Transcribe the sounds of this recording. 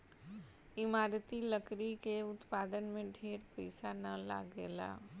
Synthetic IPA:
ɪmaːɾt̪iləkɾikeʊt̪paːd̪ənmẽɖʱeːɾpɛɪsanɐla̰ːɡeːla̰ː

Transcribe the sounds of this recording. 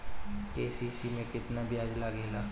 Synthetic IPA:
keːsisimẽkɪt̪nabʱjaːd͡ʒlaɡeːlaː

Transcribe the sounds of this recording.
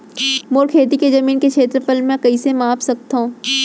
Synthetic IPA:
moɾkʰeːt̪̬ikezɐmiːnkekʰeːt̪ɾfəlmːẽkɐisemaːfsɐk̚t̪aɦũː

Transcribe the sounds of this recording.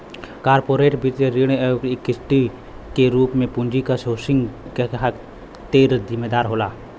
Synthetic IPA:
kaːɾpoːɾeːʈbʱit̪ɾeɾiɽ̃jokɪkɪsʈi | keɾuːpmẽpʊnd͡ʒikasoːsɪ̃ŋɡkeɦak | t̪eːɾzɪmeːd̪aːɾɦoːlaː

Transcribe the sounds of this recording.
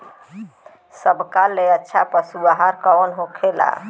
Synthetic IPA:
səbkalːeətːʃʰapəsuaɦaɾkəənɦokʰela̰

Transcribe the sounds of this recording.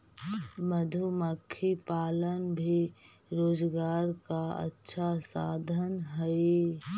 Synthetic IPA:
məd̪ʱuməkʰːipaːlənbʱi | ɾoːd͡ʒɡaːɾkaə̰tːʃʰasa̰ːd̪ʱənɦɛe

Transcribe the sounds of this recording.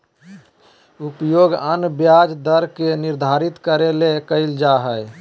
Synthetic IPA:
upjoɡənbjad͡ʒd̪əɾkeniɾd̪ʱaɾit̪kəɾelekəɪld͡ʒaɦəj

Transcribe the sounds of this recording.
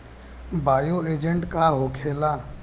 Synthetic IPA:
bʱaːjoeːd͡ʒə̃ɳʈkaɦokʰeːlaː

